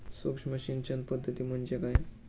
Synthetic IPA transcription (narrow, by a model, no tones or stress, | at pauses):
sʋəkʂməɕint͡ɕən̚pəd̪ʱːət̪iːm̤əɳd͡ʑekaj